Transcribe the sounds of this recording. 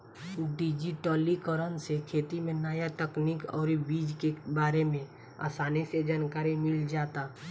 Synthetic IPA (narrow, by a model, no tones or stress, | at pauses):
ɖɪd͡ʒiʈɔːlikəɾənsekʰeːt̪imẽnaːjat̪əkniːkɔ̰ːɾbiːd͡ʒkebaːɾemẽ | a̰ːsaːnised͡ʒaːnkaːɾimɪld͡ʒaːt̪aː